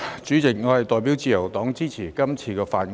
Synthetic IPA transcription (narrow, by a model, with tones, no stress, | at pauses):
t͡ʃyː˨˥t͡sɪ˨k̚ŋɔː˨˧hjt̪ɔː˨jp̬iː˨˥wt͡siː˨jɐ˨˩wt̪ɔː˨˥ŋt͡siː˥t͡sʰiː˨˩kɐ˥mt͡sʰiː˧kɛː˧fa̰ː˧t̚ŋ